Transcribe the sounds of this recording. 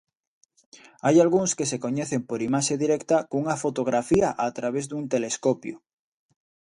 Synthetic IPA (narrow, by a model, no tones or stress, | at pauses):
ajalɣuŋskesekoɲɛθempoɾimaʃeðiɾɛkt̪ɐkouŋɐfot̪oɣɾafiaʔat̪ɾaβezðunt̪eleskopjo̰